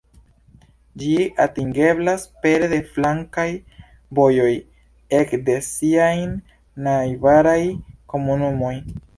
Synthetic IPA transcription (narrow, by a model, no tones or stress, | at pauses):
d͡ʒiatiŋɡe̞blaspe̞ɾde̞flaŋkaj | bo̞jo̞j | e̞kde̞siajn | najvaɾajko̞munumo̞j